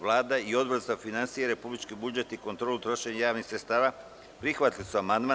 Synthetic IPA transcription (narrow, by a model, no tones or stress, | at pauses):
lˠaːd̪aio̞d̪bozafinansijeɾe̞publit͡ʃkibud͡ʒet̪iko̞nt̪ɾo̞ːlut̪ɾo̞ʃe̞ɲajaːʋnixsɾetst̪aːʋa | pɾixʋat̪lisuamand̪ma